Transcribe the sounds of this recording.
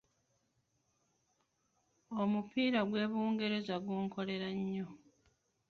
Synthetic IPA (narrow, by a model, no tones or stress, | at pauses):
omupʰiːɾaɡwe̞ːβuːŋɡe̞ɾe̞zaɡuːŋko̞le̞ɾaɲːo